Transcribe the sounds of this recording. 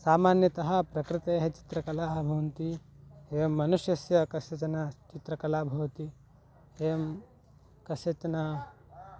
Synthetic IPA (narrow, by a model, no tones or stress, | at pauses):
saːmaːnjɐt̪ɐɦɐ̆pɾɐkɾɪt̪ejɐɦɐt͡ʃi̥t̪ɾɐkɐlaːɦɐbʱɐʋɐnt̪iɦeːʋɐmːɐnuʃjɐsjɐkɐsjɐt͡ʃɐnat͡ʃit̪ɾɐkɐlaːbʱɐwɐt̪i | eːɐm | kɐʃjɐt͡ʃɐna